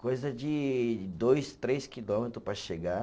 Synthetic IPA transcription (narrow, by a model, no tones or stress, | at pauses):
kojzɐd͡ʒɪd̪ojst̪ɾeskilomet̪ɾʊpɾɐʃeɡa